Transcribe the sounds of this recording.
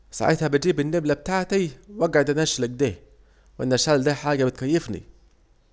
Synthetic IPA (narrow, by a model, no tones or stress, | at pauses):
sa̰ʕḛt̪hæbɪt̪̚d͡ʒiːbɪnːeblæb̚t̪aːʕt̪æwæɡʕed̪ʔænʔæʃlæɡ̚d̪æː | wʔænːæʃæld̪æːħaːɡæbɪt̪̚kæjːefnḭ